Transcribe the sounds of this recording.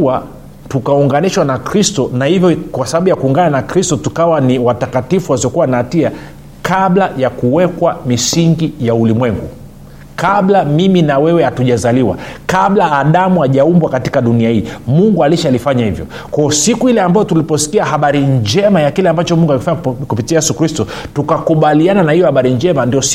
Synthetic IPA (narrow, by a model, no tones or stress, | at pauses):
a | tukauŋɡaniʃwanakɾistɔnahivjɔkwasaɓaɓujakuːŋɡananakɾistɔtukawaniwatakatifuwasiɔkuwanaːtia | kaɓlajakuwɛkwamisiŋɡijaulimwɛŋɡu | kaɓlamiminawɛwɛhatuʄazaliwa̰kaɓlaːɗamuaʄaumbwakati̥kaɗuniahiːmuŋɡualiʃalifaɲahivjɔ̰ | kwaɔsikuhilɛambajɔtulipɔsi̥kiahaɓaɾiɲd͡ʒɛmajakilɛambat͡ʃɔmuŋɡualifaɲakupitiajɛsukɾistɔ | tukakuɓaliananahijɔhaɓaɾiɲd͡ʒɛmandiɔs